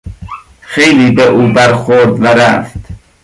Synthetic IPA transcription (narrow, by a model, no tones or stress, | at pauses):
xejliːbeʔuːbæɾxoɾd̪væɾæft̪